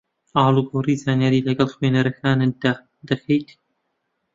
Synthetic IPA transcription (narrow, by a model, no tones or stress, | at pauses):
ʔaːluɡowriːzaːnjaːɾiːlɐɡɐlxweːnɐɾɐkʰaːnɨd̪a | d̪ɐxejt̪ʰ